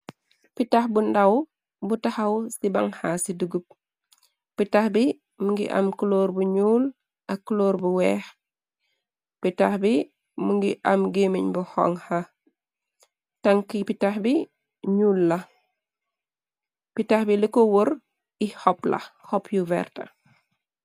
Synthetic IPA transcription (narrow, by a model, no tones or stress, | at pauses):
pitaxbundɐw | butɐxɐwsibɐ̰ŋhasiduɡup̚ | pitaxbi | muŋɡḭʔɐ̰mkuloːɾbuɲuːl | ʔɐkːuloːɾbuwɛːx | pitaxbi | muŋɡiʔɐmɡemiɲbuhɔ̰ŋha | tɐŋkipitaxbi | ɲuːlːɐ | pitaxbilikowoɾ | ihɔplɐ̰hɔpjuvɛ̰ːrtɐ̰